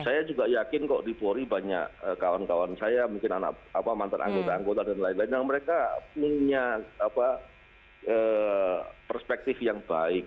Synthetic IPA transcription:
sajad͡ʒuɡajakɪnkɔʔdipoɾibaɲa̰ʔəkawankawansajamuŋkɪna̰na̰ʔapamant̪a̰nʔa̰ŋɡot̪aːŋɡot̪adanlaɪnlaɪndaŋməɾekapuɲaapa | ʔəː | pərspɛk̚t̪ɪfjaŋba̰ɪk̚

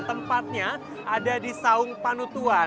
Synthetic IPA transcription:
t̪əmpat̪̚ɲa | adadisaʊŋpanut̪ua

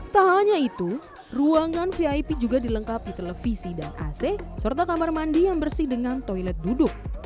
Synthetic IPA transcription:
t̪aɦaɲait̪u | ruaŋanfiajpid͡ʒuɡadiləŋkap̚it̪eləfisidana̰sesərt̪akamarmandijaŋbərsɪhdəŋant̪ojlɛt̪̚dudʊk̚

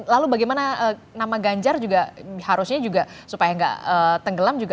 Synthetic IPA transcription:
lalubaɡejmanaə | namaɡaɲd͡ʒard͡ʒuɡahaɾʊsɲad͡ʒuɡasupajaŋɡa̰ʔət̪əŋɡəlamd͡ʒuɡa

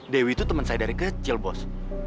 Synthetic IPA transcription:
dewit̪ut̪əmənsajdaɾikət͡ʃilbɔs

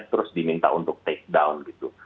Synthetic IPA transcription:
t̪əɾʊsdimint̪a̰ʔunt̪ʊk̚t̪eɪk̚daunɡit̪u

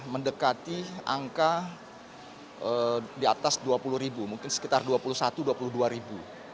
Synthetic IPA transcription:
məndəkat̪ia̰ŋka | ədiat̪asduapuluhɾibumuŋkɪnsə̥kit̪arduapulusat̪uduapuluhduaɾibu

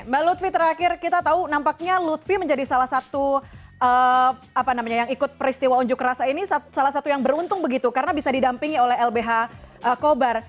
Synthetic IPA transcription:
mbalut̪fit̪əɾakɪrkit̪at̪aunampak̚ɲalut̪fiməɲd͡ʒadisalahsat̪uə | apanamaɲajaŋikʊt̪̚pəɾist̪iwauɲd͡ʒʊkɾasainisasalahsat̪ujaŋbəɾunt̪ʊŋbəɡit̪ukaɾənabisadidampiŋiolɛɦɛlbeɦaʔəkobar

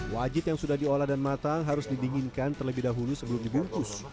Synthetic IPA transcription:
wad͡ʒɪt̪̚jaŋsudahdiolahdanmat̪aŋɦaɾʊsdibiŋɪnkant̪ərləbɪhdaɦulusəbəlʊmdibuŋk̪ʊs

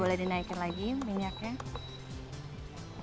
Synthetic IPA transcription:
olɛhdinaikanlaɡimiɲakɲa

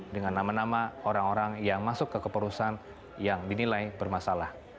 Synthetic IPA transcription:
dəŋanːamanamaoɾaŋoɾaŋjaŋmasʊkːəkəpəɾusan | jaŋdinilajbərmasalah

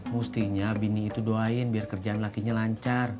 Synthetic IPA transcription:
must̪iɲabiniːt̪udoaɪnbiarkərd͡ʒaanlakiɲalaɲt͡ʃar

